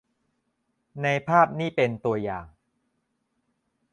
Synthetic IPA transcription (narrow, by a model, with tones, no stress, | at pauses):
na˧jpʰaː˥˩p̚niː˥˩pe˧nt̪u˧ɐjaː˨˩ŋ